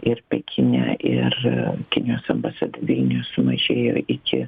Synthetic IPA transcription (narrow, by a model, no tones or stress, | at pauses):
ɪrpʲɛkʲɪnʲæ̰ːʔɪrkʲɪnʲɪjoːsɐmbɐsɑːd̪ɐʋʲɪlʲnʲɪjoːssʊmɐʒʲeːjo̰ːʔɪkʲɪ